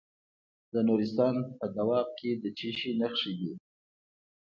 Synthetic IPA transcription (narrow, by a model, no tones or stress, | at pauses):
d̪̥ənuɾɪst̪ɑnpəd̪awɑmkʰed̪ət͡ʃiʃinaxʂiɡ̪i